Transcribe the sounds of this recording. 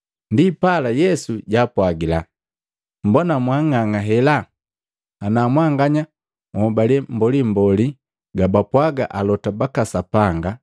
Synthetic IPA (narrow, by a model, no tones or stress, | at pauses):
ndipalajɛsuɟaːpwaɡila | m̩bɔnamwaŋaŋaɦɛla | anamwaŋɡaɲa | mɔbalɛm̩bɔlim̩bɔli | ɡabapwaɡa̰ʔalɔtabakasapaŋɡa